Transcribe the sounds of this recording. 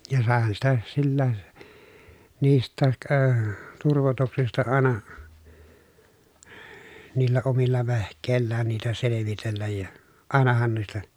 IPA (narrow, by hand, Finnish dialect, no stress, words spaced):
jɑ sɑˑehɑn sitæ silːæː niːstˑæːk øː turʋotuksistɑ ɑˑenɑ niːlːæ omilːɑ ʋehkˑeˑi̯lːæːn niːtæ seleʋitelːæj jɑ ɑˑenɑhɑn nuistɑ